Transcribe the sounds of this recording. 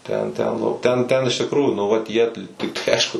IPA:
ˈtʲɛn ˈtʲɛn ˈnʊ ˈtʲɛn ˈtʲɛn ɪʃ tʲɪkˈruːjuː nʊ ˈʋɐt jiɛ t tɐɪ ˈɐɪʃkʊ

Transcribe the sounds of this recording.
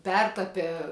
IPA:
ˈpʲɛrtɐpʲɛ

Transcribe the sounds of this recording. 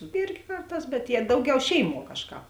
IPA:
ˈɪrʲɡʲɪ ˈkɐrˌtɑːs bʲɛt jiɛ ˈdɐʊˌɡʲɛʊ ˈʃʲɛɪˌmuɔ ˈkɑːʃˌkɑːp

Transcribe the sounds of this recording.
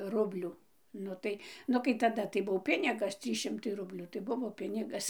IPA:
ˈrʊbʲlʲuː ˈnʊ tɐɪ ˈnʊ kɐɪ tɐˈdɐ tɐɪ ˈbuɔ ˈpʲɪnʲɪɡɐs ˈtʲrʲiːs ˈʃʲɪmtɐɪ ˈrʊbʲlʲuː tɐɪ ˈbʊʋoː ˈpʲɪnʲɪɡɐs

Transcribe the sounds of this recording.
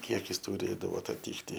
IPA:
ˈkʲiɛkʲɪs tʊˈrʲeːdɐʋoː ɐtɐˈtʲiːktʲɪ

